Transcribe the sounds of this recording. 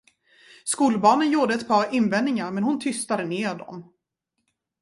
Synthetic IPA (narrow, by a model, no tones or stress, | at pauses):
skuːlbɑːnənjuːɖəɛt̪pʰɑːɾɪnvɛnːɪŋaɾmɛnhʊnt̪ʰʏst̪ad̪əneːɖɔ̰m